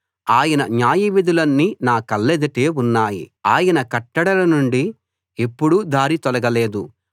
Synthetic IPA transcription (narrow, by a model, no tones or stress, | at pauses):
aːjɐnɐɲaːjiʋid̪ulɐnːinaːkɐlːed̪ɐʈeːunːaːjḭaːjɐnɐkɐʈːɐɽɐlɐnuɳɖi | epːuɽud̪ʱaːɾit̪ɔlɐɡɐleːd̪u